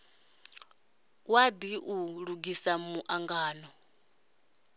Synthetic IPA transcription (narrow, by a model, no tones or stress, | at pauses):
wad̪iʔuɺuɡisamuʔaŋɡaːnɔ